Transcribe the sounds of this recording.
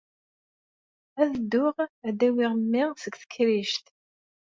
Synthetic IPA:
æðəd̪ːʊʁæd̪æwiʁəmːɪʁsəɡθə̥kːɾiʃt̪

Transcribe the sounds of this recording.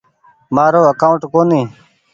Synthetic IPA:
maːɾoːəkaːʊɳʈkoːniː

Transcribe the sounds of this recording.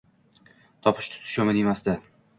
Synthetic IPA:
t̪ʰɒpʰɪ̥ʃt̪ʰʊ̥t̪ʰɪ̥ʃɒmɪnemasd̪a

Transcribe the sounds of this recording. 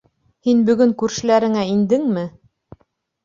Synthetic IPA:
hinbɵ̆ɡɵŋkʉɾʃɘ̆læɾɘ̆ŋæind̪ɘŋmɘ

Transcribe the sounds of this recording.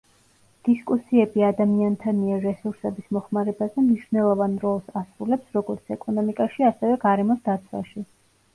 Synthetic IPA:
d̪̥iskʼusiɛbiad̪amiant̪ʰaniɛɾːɛsuɾsɛbismɔχmaɾɛbazɛmniʃvnɛlˠɔvanɾɔlˠsasɾulɛpsɾɔɡɔɾt̪sʰɛkʼɔnɔmikʼaʃiasɛvɛɡaɾɛmɔsd̪at̪sʰwa̰ʃi

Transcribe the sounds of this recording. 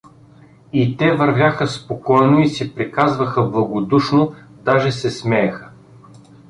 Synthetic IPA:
it̪ɛvɐɾvʲjaxəspokɔjnoisɛpɾikazvɐxəblˠɐɡod̪uʃnod̪aʒɛsɛsmɛjɐxə

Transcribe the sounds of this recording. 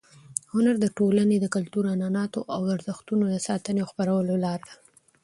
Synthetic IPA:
hʊnaɾd̪əʈolaned̪əkalt̪uɾanɑnɑt̪oʔawaɾzəxt̪unod̪əsɑt̪əneaxpaɾawəlolɑɾd̪ḁ

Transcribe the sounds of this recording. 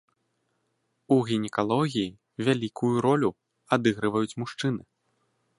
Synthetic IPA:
uɣʲinʲɛkalˠɔɣʲijː | vʲalʲikʰujuɾɔlʲu | ad̪ɨɣɾɨvɐjut͡sʲmuʂt͡ʂɨnɨ

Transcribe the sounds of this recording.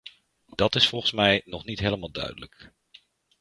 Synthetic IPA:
d̥ɑtɪsfɔlˠχənsmɛjnɔχnitɦeːləmaːlˠdœ̰ɥdələk

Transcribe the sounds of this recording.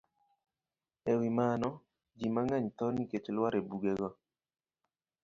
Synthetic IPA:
ewɪmanɔ | d͡ʒimaŋaɲt̪ɔniket͡ʃelwaɾebuɡɛɡɔ

